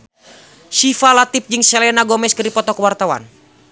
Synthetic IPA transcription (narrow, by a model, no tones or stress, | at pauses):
ʃifalat̪ip̚d͡ʒɨŋsɛlɛnaɡɔmɛskəɾipɔt̪ɔkəwart̪awa̰n